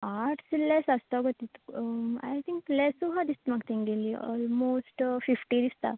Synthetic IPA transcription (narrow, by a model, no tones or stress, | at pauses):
aʈsilɛsɐst̪ɔɡot̪it̪a̰jt̪ʰĩŋklɛsuɦad̪ist̪makt̪ʰĩŋɡeliɔ̰ːlmosʈfifʈid̪ist̪a̰